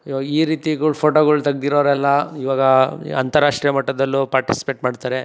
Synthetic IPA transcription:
iːɾiːt̪ikupʰoːʈoːɡɐɭut̪ɐɡ̚d̪iɾoɾɛlːɐiʋaːɡɐɐnt̪ɐɾːaːʂʈɾijɐmɐʈːɐd̪ɐlːupaːɾʈisi̥peːʈmaːɖt̪aːɾe

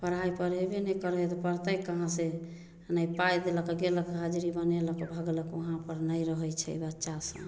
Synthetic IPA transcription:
pəɾ̤ajpəɾɦebenɛkəɾɦet̪ɔpəɾt̪əkːəɦãse | nəipajd̪eləkɡeləkɦad͡ʒɾibəneləkbʱəɡləkəɦãpəɾnəjɾəɦəjt͡ʃʰɛ̰ḭbətːʃasə̰̃

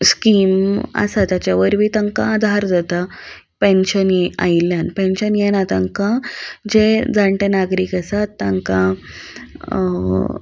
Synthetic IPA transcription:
skiːmə̰sat̪jat͡ɕjaʋəɾʋiːt̪aŋkãːd̪ʱaɾd͡zat̪a | pẽnɕənia̰iljanpẽnɕənjɛnat̪ãŋkãd͡ʑed͡zaɳʈenaɡɾiːkəsat̪ːãŋkã

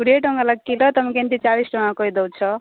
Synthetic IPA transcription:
uɾeʈʌŋɡalak̚kiɾʌt̪ʌmkent̪it͡salisʈʌŋɡakojd̪owt͡sʰʌ

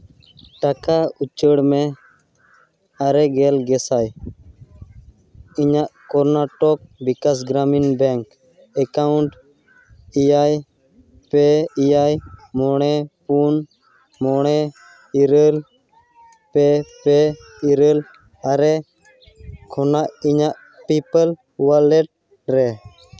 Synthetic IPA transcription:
ʈakaut͡ʃəɽmɛ | aɾɛɡɛlɡɛsaj | iɲaʔkɔɾnaʈɔk̚bikasɡɾaminbɛŋk | ɛkauɳʈ | ijaj | pɛijajmɔɽ̃ɛpun | mɔɽ̃ɛ | iɾəl | pɛpɛ | iɾəl | aɾɛ | kʰɔnaʔiɲaʔ | pipəl | walɛʈ̚ | ɾɛ

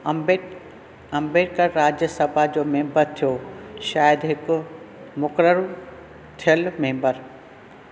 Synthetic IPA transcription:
ɐ̃mbeːʈkəɾɾaːd͡ʑjəsəbʱad͡ʑoːmẽːmbəɾt̪ʰijoʃaːjəd̪ɦɪkʊ | mʊkɾəɾ | t̪ʰijəlmẽːmbəɾ

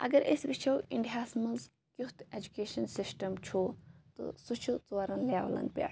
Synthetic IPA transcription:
ɐ̰ɡɐɾʔesbit͡ʃʰɐwiɳɖɦaːsmɐlz | kjuht̪ed͡ʒukeːʃɐnsisʈɐmt͡ʃʰoːt̪ɨ̰sut͡ʃʰut͡saɾɐnlaːʋlɐ̰n̚pʲa̰ː

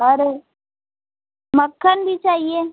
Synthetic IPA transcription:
ɦaɾe | məkʰːənbʱit͡ʃaːɦieː

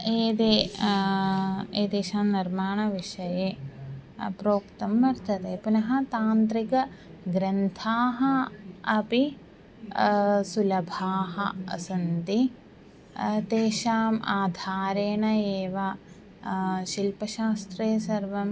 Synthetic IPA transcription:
eːd̪eː | eːd̪eːʃaːmniɾmaːɳɐʋiʂɐjeː | pɾoːkt̪ɐmʋɐɾt̪ʰɐt̪eːpunɐɦɐ̆t̪aːnt̪ɾikɐ | ɡɾɐnt̪ʰaːɦɐɐpi | sulɐbʱaːɦɐ̰ɐ̰sɐnt̪i | t̪eːʃaːmaːd̪ʱaːɾeːɳɐeːʋa | ʃilpɐʃaːst̪ɾeːsɐɾʋɐm

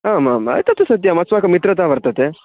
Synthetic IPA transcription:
aːmaːmɐ̰jt̪ɐt̪esɐt̪jamɐt͡sʋaːkɐmit̪ɾɐt̪̬aːbɐɾt̪ɐt̪e

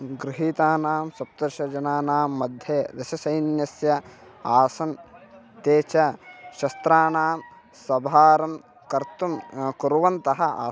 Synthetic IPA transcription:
ɡɾɪɦiːt̪aːnaːmsɐp̚t̪ɐɾʃɐd͡ʒɐnaːnaːmːɐd̪ʱjeːd̪ɐʃɐsɐjnjɐsjɐaːsɐn | t̪eːt͡ʃɐʃɐst̪ɾaːnaːm | sɐbʱaːɾɐm | kɐɾt̪umkuɾuʋɐnt̪ɐɦɐa̰ː

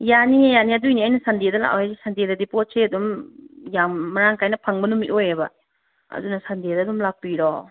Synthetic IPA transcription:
janijaniadujniajnɐsandedɐla̰ka̰wazisandedɐdipot̚seɐdumjamːɐɾaŋkajnɐpʰaŋbɐnumːiʔojebɐ | ɐ̰dunɐsandedɐdumlak̚piɾɔ

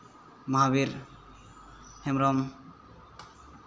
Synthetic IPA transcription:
maɦabiɾ | hemɾɔm

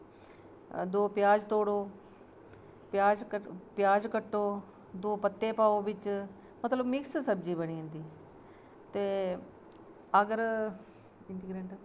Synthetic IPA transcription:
d̪oːpjaːd͡ʒt̪oːɽoː | pjaːd͡ʒkəpjaːd͡ʒkəʈːoː | d̪oːpət̪ːeːpaːoːʋɪt͡ʃ | mət̪ləbmɪkssəbd͡ʒiːbəniːə̃nd̪iː | t̪eː | əɡəɾ | ɪnt̪iɡɾẽɳʈ

